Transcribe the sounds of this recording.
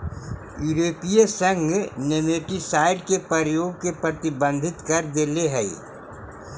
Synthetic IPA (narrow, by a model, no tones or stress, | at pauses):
juɾoːpijəsɐ̃ŋɡneneːʈisaːɪɖkepɐɾjoːɡ̚kepɾɐt̪ɪbə̃nd̪ʱɪt̪kɐɾd̪eːleɦɛi